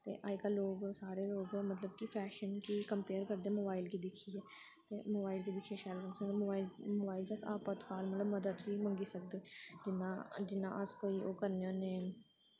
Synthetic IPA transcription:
t̪ḛːʔaːɪkaloːɡsaːɾeːloːɡmət̪ləbkipʰɛːʃənkiːkəmpeːɾkəɾd̪eːmoːbaːilkiːd̪ɪkʰːiːeː | t̪eːmoːbaːɪlkiːd̪ɪkʰːieːʃɛːlkənsə̃d̪mobaːilmoːbaːɪlt͡ʃiəsaːpət̪kaːlmət̪ləbməd̪əd̪ʋiːmə̃ŋɡiːsək̚d̪eːd͡ʒɪnãːd͡ʒɪnːã̰ːʔəskoːiːoːkəɾnjãːneː

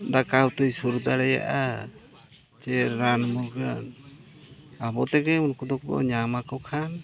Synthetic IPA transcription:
d̪akawt̪ujsuɾd̪aɾɛja̰ʔa | t͡ʃɛɾːanmuɾɡan | abɔt̪ɛɡɛmunkud̪ɔk̚bɔ̰ɲamakɔwkʰan

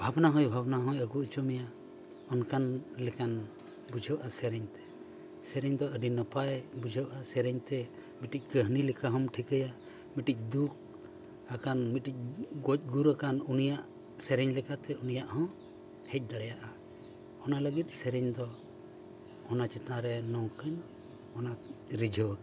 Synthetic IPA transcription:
bʱabnaɦɔ̃jbʱabnaɦɔ̃jəɡuʔt͡ʃumɛja | ɔnkanlɛkan | bud͡ʒʱəwʔasɛɾɛɲt̪ɛ̥ | sɛɾɛɲd̪ɔʔəɖinəpajbud͡ʒʱəwʔasɛɾɛɲt̪ɛ | miʈic̚ˀkəɦnilɛkaɦɔmʈʰikəja | miʈic̚ˀd̪uk̚ʰ | akanmit̪ʈic̚ɡɔc̚ˀɡuɾəkanunijaʔ | sɛɾɛɲlɛkat̪ɛunijaʔhɔ̃ | hɛc̚ˀd̪aɽɛjaʔa | ɔnaləɡit̪̚ˀsɛɾɛɲd̪ɔ | ɔnat͡ʃit̪ãɾɛnɔ̃ŋkəɲ | ɔnaɾid͡ʒʱɔwək

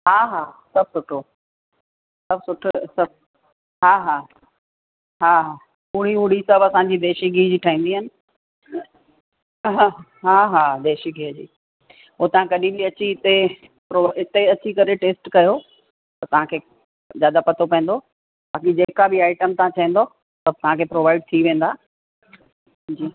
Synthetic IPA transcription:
ɦaːɦaːsɐb̚ʱsʊʈʰo | sɐbsʊʈʰsɐb̚ | ɦaːɦaː | ɦaːɦaː | ʊɽiɦʊɽisɐbɐsãɲd͡ʑid̪eːʃiɡiːd͡ʑiːʈʰaːĩːnd̪iɦənɪ̆ | ɦã | ɦaːɦaːd̪eːʃiɡiəd͡ʑḭː | ɦoːt̪ɐɦãkɐɗĩbiɐt͡ɕiɪt̪e | pɾoɪt̪eɐt͡ɕikɐɾeʈeːsʈkɐjo | t̪ɐt̪ɐʋ̤ãkʰeː | zjaːd̪apɐt̪ʰopɐ̃ẽn̆d̪o | baːkid͡ʑeːkabɪaːɪʈəmt̪ɐɦãt͡ɕʰɐɦĩːn̆d̪o | sɐb̚t̪ɐʋ̤ãkʰeːpɾoːʋaːɪɖ̚t̪ʰiʋẽːn̆d̪aː | d͡ʑiː

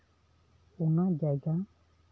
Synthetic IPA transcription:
unãd͡ʒajɡa

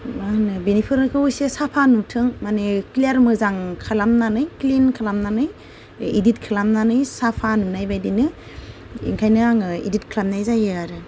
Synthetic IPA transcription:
manɯbenipʰɯɾɯkʰɯujsesapʰanutʰɯŋmaneklaɾmɯzaŋkʰalamnanɯjklinkʰalamnanɯj | idit̚kʰɯlamnanɯjsapʰanunajbajdinɯ | ḭŋkʰajnɯaŋɯḭdit̚kʰɯlamnajzajɯaɾɯ

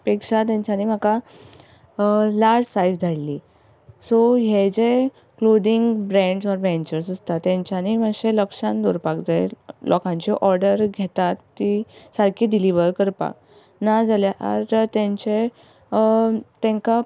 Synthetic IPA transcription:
pekʂat̪̬jãɲt͡ɕaniːm̤aka | laɾsajd͡zd̪ʱaɽli | soɦed͡ze | klod̪iŋɡbɾɛ̃ɳɖsɔɾʋẽɲt͡ɕəɾsəst̪at̪ːẽɲt͡ɕaniməɕeləkʂãnd̪oɾpakd͡zaelʔɔ̰kãɲt͡ɕeʔɔɾɖəɾɡʱet̪at̪ːisaɾkiːɖiliʋəɾkəɾpa̰k̚ | nad͡zaljaʔa̰ɾt̪ẽɲt͡ɕe | t̪ẽŋka

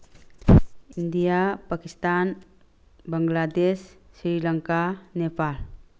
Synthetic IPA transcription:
ind̪ijapakist̪an | bəŋɡlad̪esːɾiləŋkanepal

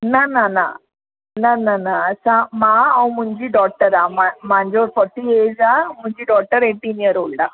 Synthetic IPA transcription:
nanana̰ | nananasãmaːɐw̃muɲd͡ʒiɖɔːk̚ʈːɐɾamamaːɲd͡ʒoːɽpʰɔɾʈːieːzamuɲd͡ʒiɖɔːk̚ʈːɐɾeʈːinijɐɾoːɭɖa

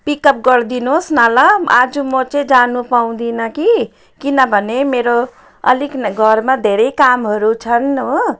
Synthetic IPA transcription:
pikʌp̚ɡʌɾd̪inosnalʌa̰d͡zumʌt͡ʃẽd͡zanupaw̃d̪inʌki | kinʌbʱʌnemeɾo | ʌ̰likɡʱʌɾmad̪ʱeɾejkamɦʌɾut͡ʃʰʌnu

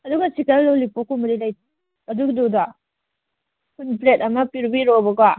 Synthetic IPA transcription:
ɐduɡɐsikɐɾlolipokumɐɾilajt | ɐduɡdoda | kʰunplet̚ɐmɐpiɾbiɾobɐɡa

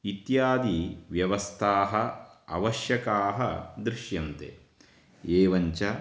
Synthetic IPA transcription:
it̪jaːd̪iʋjɐʋɐst̪ʰaːɦɐɐ̰ʋɐʃjɐkaːɦɐ̰d̪ɾɪʃjɐnt̪ḛ | eːʋɐɲt͡ʃɐ

